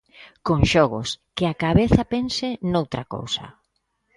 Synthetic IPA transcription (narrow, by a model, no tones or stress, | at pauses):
koŋʃɔɣʊ̰skɪakaβeθɐpensɪnowt̪ɾako̰wsɐ̰